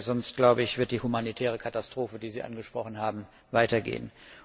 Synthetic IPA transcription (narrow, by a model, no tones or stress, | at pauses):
zɔnst̚ɡ̥laʊbəɪçv̥ɪɐt̚d̥iːhumanitʰɛːʁ̞əkʰatastʁ̥oːfədiːziːʔa̰nɡəʃpʁ̥ɔχn̩ɦaːbm̩ | vaɪtɐɡḛːən